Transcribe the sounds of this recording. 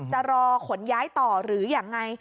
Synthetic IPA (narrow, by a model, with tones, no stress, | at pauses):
t͡ɕa˨˩ɾɔː˧kʰo˨˩˦njaː˦˥jt̪ɔː˨˩ɾɯː˩˦jaː˨˩ŋːa˧j